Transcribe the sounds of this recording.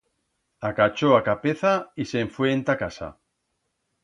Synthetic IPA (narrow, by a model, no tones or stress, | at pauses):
akat͡ʃoakapeθaiseɱfweːnt̪akasa̰